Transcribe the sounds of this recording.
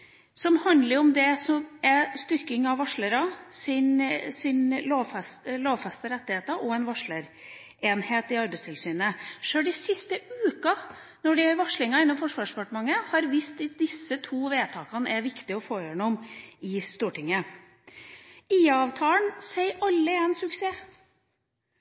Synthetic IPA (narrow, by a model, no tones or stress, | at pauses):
sɔmhɑnd̪ləɾɔmd̪ɛsɔmɛst̪ʏɾkɪŋɑʋːɑʂɭəɾɑsɪnsɪnloːʋfɛst̪loːʋfɛst̪əɾɛt̪ːɪheːt̪ɑʔɔɛnʋɑʂɭəɾ | eːnheːt̪ɪɑɾbɛɪst̪ʰɪlsyːnəʂøːɖɪsɪst̪əʉːkɑ | nɔɖɪæɾʋɑʂɭɪŋɑɪnːɔmfɔʂʋɑːʂdəpɑʈmɑŋːəhɑɾʋiːst̪d̪ɪsːət̪ʰuːʋeːt̪ʰɑːkɑnɛɾʋɪkt̪ɪɔfoːeːnɔmɪst̪uːʈɪŋːə | iːɑːʋt̪ʰɑːəɳsæɪʔɑlːəɛnsʉkseː